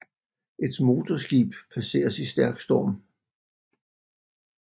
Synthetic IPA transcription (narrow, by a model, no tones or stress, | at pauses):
ʔe̝d̥mo̝ːt͡sʰɒsɡ̥ḭːb̥pʰæse̝̰ːɐsisd̥æɐɡ̥sd̥ɒːm